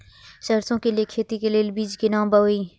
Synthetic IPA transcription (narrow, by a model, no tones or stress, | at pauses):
ʃəɾsõkelijekʰeːt̪ikeleːlbiːd͡ʒkinãːmbəoiː